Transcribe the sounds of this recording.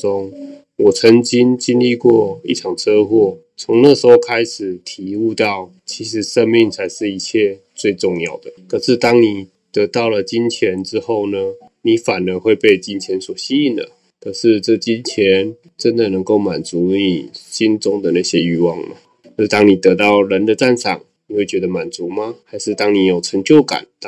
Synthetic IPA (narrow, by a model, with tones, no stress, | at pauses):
ʊ˦˥ŋ | wɔ˨˩t͡sʰə˧˥ŋt͡ɕi˥nt͡ɕi˥nli˥˧kwɔ˥˩ḭ˥˩ʈ͡ʂʰɑ˨˩ŋt͡sʰɤ˥xwɔ˥˩ | t͡sʰʊ˧˥ŋna˥˧ʂɻ̩˧˥xo˥˧ʊkʰa˥ɪʂɻ̩˨˩t̪ʰi˨˧˥u˥˧t̪ɑ˥˩ʊ | t͡ɕʰi˧˥ʂɻ̩˧˥˦ʂə˦nmi˥˩ŋt͡sʰa˧˥ɪʂɻ̩˥˧i˧˥t͡ɕʰjɛ˥˧ | t͡swe˥˧ɪʈ͡ʂʊ˥˧ŋjɑ˥˩ʊd̪ə˩kə˨˩ʂɻ̩˥˧t̪ɑ˥ŋni˨˩ | t̪ə˧˥t̪ɑ˥˩ʊlə˩t͡ɕi˦nt͡ɕʰjɛ˧˦˥nʈ͡ʂɻ̩˦xo˥˩ʊnə˩ | ni˨˥fa˨˩nə˧˥xwe˥˧ɪpe˥˧ɪt͡ɕi˦˥nt͡ɕʰjɛ˧˥nswɔ˨˩ɕi˥i˥˩nd̪ə̰˩ | kʰɤ˧˥ʂɻ̩˥˧ʈ͡ʂɤ˥˧t͡ɕi˦nt͡ɕʰjɛ˧˥˦n | ʈ͡ʂə˦nd̪ə˨nɤ˧˥ŋko˥˩ʊma˨˩nt͡su˨˧˥i˥˨˩ɕi˥nt͡sʊ˥ŋd̪ə˨na˥˩ɕjɛ˦y˥˧wɑ˥˩ŋma̰˩ | kʂ̩˥˩t̪ɑ˥ŋni˨˩t̪ɤ˧˥t̪ɑ˥˩ʊɻə˧˥nd̪ə˨˧t͡sa˥˧nʂɑ̰˨˩ŋni˨˩we˥˩t͡ɕɥɛ˧˥d̪ə˧ma˨˩nt͡su˧˥ma˨xa˧˥ɪʂɻ̩˥˧t̪ɑ˥ŋni˨˩jo˨˩ʊʈ͡ʂʰə˧˥ŋt͡ɕjo˥˩ʊka̰˨˩˦n